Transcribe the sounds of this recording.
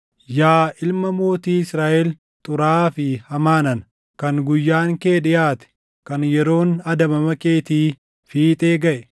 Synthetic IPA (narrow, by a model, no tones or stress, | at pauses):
jaːʔɪlmɐmo̞ːt̪iːɪsɾaːʔɛl | t̪ʼʊɾaːfɪhɐmaːnɐn | kɐŋɡʊjːaːŋke̞ːᶑɪjaːt̪ɛ̥ | kɐnjɛɾo̞ːnɐd̪ɐmɐmɐkʼe̞ːt̪iː | fiːt̪ʼe̞ːɡɐʔɛ̥